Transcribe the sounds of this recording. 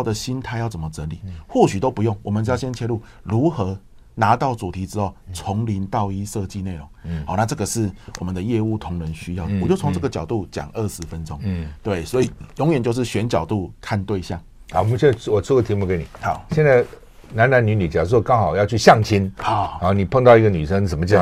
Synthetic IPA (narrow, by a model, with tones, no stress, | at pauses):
d̪ə˨˩ɕi˦nt̪ʰa˥˧ɪjɑ˥˩ʊt͡sə˨˩mə˧˦t͡sə˧˦lḭ˨˩xwɔ˥˩ɕy˨˩t̪o˥ʊpu˧˦jʊ˥˩ŋwɔ˨˩mə˦n̩˧˥˧ɕjɛ˥nt͡ɕʰjɛ˥˧lu˥˩ | ɻu˧˥xɤ˧˥˦ | na˧˥t̪ɑ˥˩ʊt͡su˨˩t̪ʰi˨˥t͡sɻ̩˥xo˥˩ʊt͡sʰʊ˧˦˥ŋli˧˥nt̪ɑ˥˧ʊi˦˥ʂɤ˥˧t͡ɕi˥˧ne˥˩ɪɻʊ˨˧˦ŋha˨˦na˥˧ʈ͡ʂɤ˥˩ɡə˨ʂɻ̩˥˩wɔ˨˩mə˨˦nd̪ə˧jɛ˥˧u˥˩t̪ʰʊ˧˥ŋɻə˧˦nɕy˥jɑ˥˩ʊd̪ə˨˩wɔ˨˩t͡ɕjo˥˩ʊt͡sʰo˧˦ŋʈ͡ʂɤ˥˩ɡə˩t͡ɕjɑ˨˩ʊt̪u˥˩t͡ɕja̰˨˩ŋə˥˩ʂɻ̩˧˦fə˦nʈ͡ʂʊ̰˥˦ŋt̪we˥˩ɪswɔ˧˥i˨˩jo˧˥ŋɥɛ˨˩nt͡ɕjo˥˧ʊʂ̬̩˥˩ɕɥɛ˧˥nt͡ɕjɑ˨˩ʊt̪u˥˧kʰa˥˧nt̪we˥˧ɪɕjɑ˥˩ŋ | ɑ˨˦˨ɕɛ˥wɔ˨˩t͡sʰu˥˧ɡə˧t̪ʰi˧˥mu˥˨ke˧˥ɪni˨˩hɕjɛ˥˧nd͡za˥˩ | na˧˦na˧˥nny˧˥ny˨˩t͡ɕja˨˩wɔ˥˩kɑ˦˥ŋxɑ˨˩ʊjɑ˥˧ʊt͡ɕʰy˥ɕjɑ˥˨˩ŋt͡ɕʰi˦nha˨˩˦ha˨˦ni˨˩pʰɤ˥˧ŋt̪ɑ˥˧ʊi˧˥ɡə˧ny˨˩ʂə˥˦ŋsə˨˩mə˦t͡ɕja˨˦